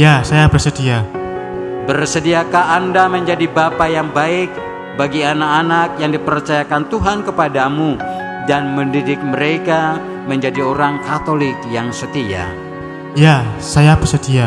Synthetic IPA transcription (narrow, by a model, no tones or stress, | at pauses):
jasajabərsət̪ia | bərsədiakaːndaməɲd͡ʒadibapajaŋbaɪk̚ | baɡianakanak̚jaŋdipərt͡ʃajakant̪uɦankəpadamu | danməndidɪk̚məɾeka | məɲd͡ʒadioɾaŋkat̪olɪkjaŋsət̪ia̰ | jasajabərsət̪ia